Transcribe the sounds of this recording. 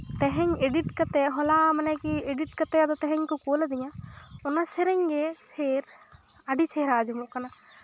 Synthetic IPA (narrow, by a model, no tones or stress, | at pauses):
t̪ɛɦɛɲeɖiʈkat̪ɛɦɔlamanɛkieɖiʈ̚kat̪ɛad̪ɔt̪ɛɦɛ̃ɲkɔkolad̪iɲaɔnasɛɾɛɲɡɛpʰeɾ | aɖit͡ʃɛɦɾad͡ʒɔmuʔkana